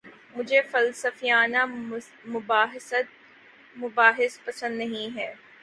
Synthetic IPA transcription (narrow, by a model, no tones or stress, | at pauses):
mʊd͡ʒʱefɐlsəfijaːna | mʊbaːɦsət̪ | mʊbaːɦɪspɐsə̃nd̪nɐɦĩɦɛː